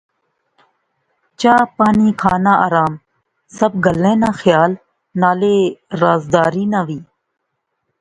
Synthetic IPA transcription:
t͡ʃaːpaːniːkʰaːnaːaːɾaːm | səb̚ɡəlẽːnãːxjaːl | naːleːɾaːzd̪aːɾiːnãːʋiː

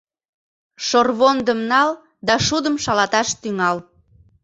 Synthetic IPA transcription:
ʃorβond̪əmnɑl | d̪ɑʃud̪əmʃɑlɑt̪ɑʃt̪yŋɑl

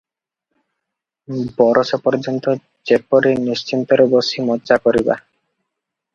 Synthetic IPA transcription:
bɔɾʔosopɔɾd͡ʑont̪o | t͡ɕepːoɾeniʃt͡ɕint̪oɾobosimɔtːt͡ʃakoɾiba̰

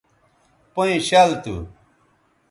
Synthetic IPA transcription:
poĩɕɐlt̪ṵ

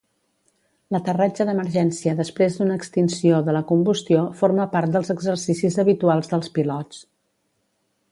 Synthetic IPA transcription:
lət̪ərad͡ʒəðəməɾʒɛnsiəðəspɾezd̪unəːkst̪insioðələkumbust̪iofoɾməpaɾt̪̚d̪əlˠzəɡzəɾsisizəβit̪ualˠzðəlˠspilɔt͡s

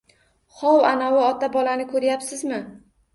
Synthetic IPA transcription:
χɒwanɒwɪɒt̪ʰabɒlanɪkʰɵɾjapsɪzmɪ

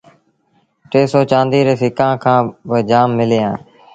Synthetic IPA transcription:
ʈeːsoːt͡ʃãːnd̪iːɾeːsɪkãːkʰãːbəd͡ʒaːmːɪleːãː

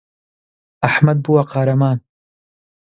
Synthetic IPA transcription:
aħmɐd̪̚buwɐqɑːɾɐmaːn

